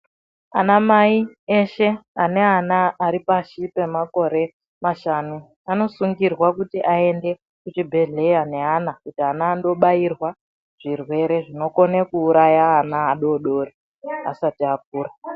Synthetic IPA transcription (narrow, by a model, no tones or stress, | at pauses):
anamaieʃe̞ane̞anaːɾipaʃipe̞mako̞ɾe̞ | maʃanu | ano̞suŋɡirwakutiʔae̞nde̞ | kut͡ʃibʱe̞ɮe̞jane̞anakutianaːndo̞ɓajirwa | ʐ̥irwe̞ɾe̞ʐino̞ko̞nekuːɾajaːnaːɗo̞ɗo̞ːri | a̰satiak̚uːra